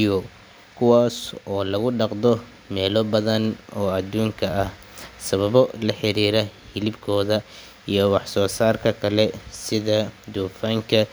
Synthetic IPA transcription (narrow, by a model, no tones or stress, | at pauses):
jɔ | kʰʊwaːsɔːlɐɣʊɖɑqd̪ɔ | mɛːlɔbɐðɐnɔːɐd̪uːŋkʰɐʔɐh | sɐβɐβɔlɐħɪɾiːɾɐhɪlɪbkʰɔːðɐ | ijɞwɑħsɔːsaːrkʰɐkʰɐlɛsɪðɐd̪uːfaːŋkʰɐ